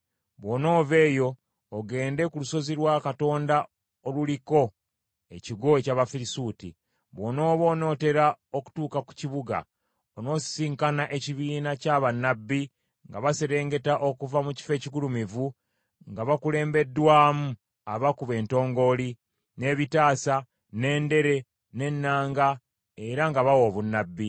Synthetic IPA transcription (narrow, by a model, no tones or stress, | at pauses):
βwono̞ːve̞ːjo̞ː | ɡe̞ːnde̞kuluso̞ziɾwaːkato̞ːnda | oluliko̞ | eciɡo̞ecaːβafiɾisuːtḭ | βwono̞ːβo̞ːno̞ːte̞ɾaoku̥tuːkaku̥ciβuɡa̰ | ono̞ːsi̥siːŋkanaʔe̞ciβiːnacaβanːabːi | ŋɡaβase̞ɾe̞ːŋɡe̞taʔo̞kuvamuci̥fe̞ːcikulumivu | ŋɡaβakule̞ːmbe̞dːwaːmu | aβakuβe̞ːnto̞ːŋɡo̞li | ne̞βitaːsa | ne̞ːnde̞ɾe̞ | ne̞nːaːŋɡa | e̞ɾaŋɡaβawo̞ːβunːabːi